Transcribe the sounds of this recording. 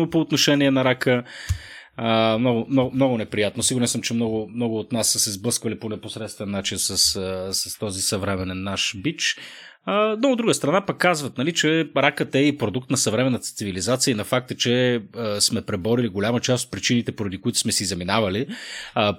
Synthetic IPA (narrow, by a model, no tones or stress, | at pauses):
opoːt̪noʃɛniɛnɐɾakə | mnɔɡʊmnɔmnɔɡʊnɛpɾijat̪nosiɡʊɾɛnsəmt͡ʃɛmnɔɡʊmnɔɡʊːt̪nasːəsɛzblɤskvəliponɛposɾɛt̪st̪vɛnːat͡ʃinsəsəsɐst̪ɔzisɐvɾɛmɛnɛnːaʃbit͡ʃ | ənood̪ɾuɡəst̪ɾɐnapɐkːazvət̪̚nɐlit͡ʃɛɾakət̪ɛipɾod̪ukt̪nɐsɐvɾɛmɛnːət̪ə̥t̪sivilizat̪siəinɐfak̚t̪ət͡ʃɛsmɛpɾɛbɔɾiliɡolʲamət͡ʃast̪ot̪̚pɾit͡ʃinit̪ɛpoɾɐd̪ikʊit̪ʊ̥smɛsizɐminavɐli